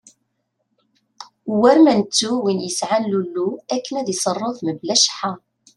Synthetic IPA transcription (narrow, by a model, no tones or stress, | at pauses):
wæɾmænət͡sːuwinjəsʕanlulːuækːənæðjsˤɑrˤːʊfməblæʃħa